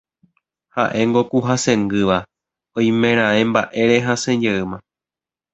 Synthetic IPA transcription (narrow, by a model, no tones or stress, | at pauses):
haʔe̞ŋɡo̞kuɦasẽ̞ŋɡɨʋa | õj̃mẽɾ̃ãẽmbaʔe̞ɾeɦãsẽd͡ʒeɨmã